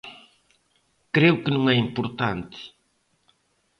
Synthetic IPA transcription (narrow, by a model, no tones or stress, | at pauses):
kɾewʊkɨnũŋɛĩmpʊɾt̪ãnt̪ɪ̥